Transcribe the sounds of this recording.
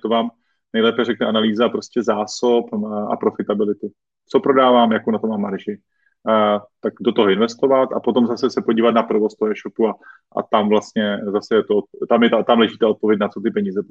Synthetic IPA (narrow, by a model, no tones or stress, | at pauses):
t̪ovaːm | nɛjlɛːpɛrɛknɛanaliːzapɾo̞scʲɛzaːsopʔa̰pɾo̞fɪt̪abɪlɪt̪ɪ | t͡sopɾo̞daːvaːmjakownat̪omamːaɾʒɪ | t̪akdo̞t̪o̞ɦoɪnvɛst̪o̞vat̪apo̞t̪o̞mzasɛsɛpo̞ɟiːvat̪̚napɾovo̞st̪oɦoɛːʃopua | ʔa̰t̪amvlast̪ɲɛzasɛjɛt̪ot̪amjɛt̪at̪amlɛʒiːt̪aot̪̚povjɛc̬nat͡so̞t̪ɪpɛɲiːzɛ